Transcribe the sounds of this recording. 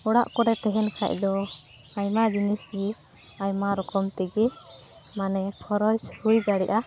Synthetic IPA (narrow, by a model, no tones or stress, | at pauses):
ɔɽaʔkɔɾɛt̪ɛɦɛnkʰa̰c̚d̪ɔ | ajmad͡ʒinisi | ajmaɾɔkɔmt̪ɛɡɛ | manɛkʰɔɾɔshujd̪aɽɛʔa